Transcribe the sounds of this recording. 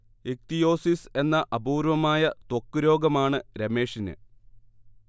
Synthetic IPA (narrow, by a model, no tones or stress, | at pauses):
ek̚t̪ijo̞ːsise̞nːɐʔɐbuːɾʋɐmaːjɐt̪wokːuɾo̞ːɡɐmaːɳɨɾeme̞ːʂinɨ̰